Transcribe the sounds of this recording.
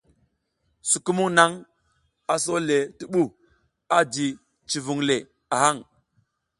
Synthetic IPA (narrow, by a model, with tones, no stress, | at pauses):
su˨ku˦mu˦ŋna˦ŋ | a˨so˦le˨ti˨ɓu˦˨ | a˦di˨ | t͡ʃi˨vu˨ŋle˨ | a˨ɦa˦˨ŋ